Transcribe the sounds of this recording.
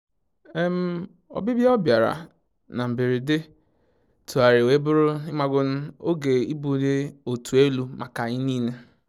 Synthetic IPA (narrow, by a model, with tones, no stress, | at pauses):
e˦m̩˦ | ɔ̰˨bɪ˦bja˦ɔ˦bja˨ɾa̰˨ | na˨m̩˨bi˨ɾi˨dɪ˦ | tʰu˨a˨ɾɪ˨we˦bʊ˦ɾʊ˦ɪ˦ma˨ɡʊ˦n̩˦o˦ɡe˨i˦bu˨de˦o˨tu˨e˦lu˦ma˨ka˨ɲɪ˦niː˦ne˦